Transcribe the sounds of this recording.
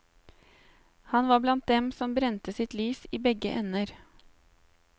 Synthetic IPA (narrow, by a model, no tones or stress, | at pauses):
hɑnʋɑːblɑnt̪̚d̪ɛmsɔmbɾɛnt̪əsɪt̪lyːsiːbɛɡə̰ʔɛnəɾ